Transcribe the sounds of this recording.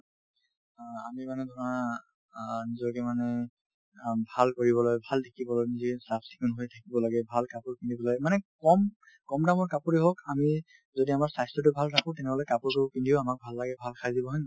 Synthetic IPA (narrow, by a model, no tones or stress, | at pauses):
a̰mimanɛdʱɔna | nizɔɹkɛmanɛ | bʱalkoɹibɔlɔjbʱaldʰʱakibɔlɔjnizisapʰsi̥kunɦojtʰakibɔlaɡɛbʱalkapuɹkindibɔlajmanɛkɔm | kɔmdamɔɹkapuɹiɦɔkami | zodiamaɹsajstɹɔt̬ʊbʱaltʰakɔ̃tɛnɛlojkapʊɹtʊkindiʊamak̚bʱalːaɡɛbʱalkʰajzibɔɦɔjn